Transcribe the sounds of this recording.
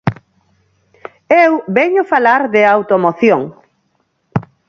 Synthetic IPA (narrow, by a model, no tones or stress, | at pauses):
ewβɛɲʊfalaɾðɪawt̪omoθjoŋ